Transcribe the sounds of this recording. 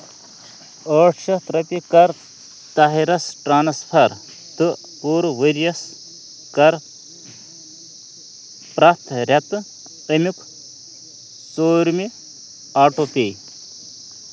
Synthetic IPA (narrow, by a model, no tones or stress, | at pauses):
əːʈʰʃɐt̪ɾɐpikɐɾ | t̪ɐɦiɾɐsʈɾaːnɐspʰɐɾ | t̪ɨ | puːɾʋɨɾijɐs | kɐɾ | pɾɐt̪ʰɾʲɐt̪ɨ | əmuk | soːɾmi | aːʈopij